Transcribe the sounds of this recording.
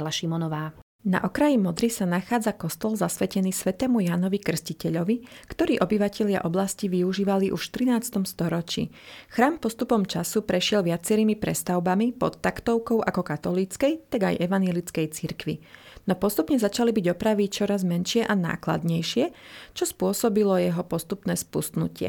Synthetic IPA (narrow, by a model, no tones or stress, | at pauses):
laʃimɔnɔʋaː | na̰ʔɔkɾajimɔd̪ɾisanaxaːd͡zakɔst̪ɔlzasʋɛcɛniːsʋɛt̪ɛːmujanɔʋikr̩scicɛʎɔʋikt̪ɔɾiːʔɔbiʋacɛʎɪa̰ʔɔblasciʋiuʒiːʋaliʔuʃt̪ɾinaːt͡st̪ɔmst̪ɔɾɔt͡ʃḭː | xɾaːmpɔst̪upɔmt͡ʃasupɾɛʃɪɛlʋɪat͡sɛɾiːmipɾɛst̪aʊbamipɔ̰t̪ːakt̪ɔʊkɔʊʔakɔkat̪ɔliːt͡skɛjt̪aɡa̰jʔɛʋanjɛlit͡skɛjt͡siɾkʋḭ | nɔpɔst̪upɲɛzat͡ʃalibiɟɔpɾaʋit͡ʃɔɾazmɛnʃɪɛʔana̰ːkla̰d̪ɲɛjʃɪɛt͡ʃɔspʊɔsɔbilɔjɛɦɔpɔst̪upnɛːspust̪nṵcɪɛ̰